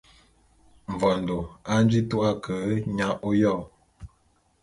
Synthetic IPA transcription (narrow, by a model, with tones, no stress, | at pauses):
ɱ̩˨vɔ˨n̩˨do˨a˦n̩˦d͡ʒi˦tu˦ʔa˦kʰə˨˦ɲa˦ʔo˦jɔ˦˨